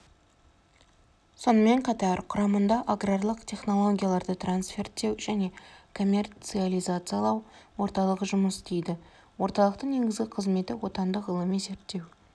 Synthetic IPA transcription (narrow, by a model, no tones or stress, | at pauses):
so̞nəme̞ɴqʰɑt̪ɑɾqʰʊɾɑmənd̪ɑʔaɡrarlˠəqt̪ʰʲe̞χno̞lˠo̞ɡʲijalˠɑɾd̪ət̪ransfe̞ɾt̪ːe̞wʒ̥æne̞kʰo̞mʲːe̞rt̪sɨalʲˠijzat̪sɨjalˠɑwwo̞ɾt̪ɑlˠəqʒʊməst̪ʰejd̪ɪ | wo̞ɾt̪ɑlˠəq̚t̪əɴne̞ɡʲɪzɡʲɪqʰəzme̞t̪ɪwo̞t̪ɑnd̪əqəlˠəmeze̞ɾt̪ːe̞w